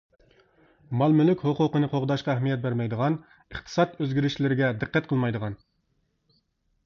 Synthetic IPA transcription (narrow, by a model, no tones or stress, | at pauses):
mɑlˠmylykʲhoqʊqənɨqʰoʁd̪ɑʃqɑæhmijɛt̪̚bæɾmɛjd̪əʁɑn | əχt̪ʰɨ̥sɑt̪øzɡʲiɾɪʃlɪɾɪɡʲɛd̪ɨqːɛt̪̚qʰəlˠmɑjd̪əʁɑn